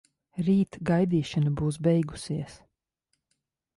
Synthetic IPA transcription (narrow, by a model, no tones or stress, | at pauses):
ɾiːt̪ɡajd̪iːʃanabuːs̬bɛjɡu̥siɛs